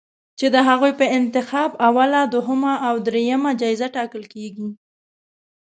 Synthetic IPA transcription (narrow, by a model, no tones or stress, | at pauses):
t͡ʃed̪əɦaɣujpəɪnt̪ɪxɑbawalad̪ʊɦəmaʔawd̪ɾejamad͡ʒɑjzaʈɑkəlkeɡi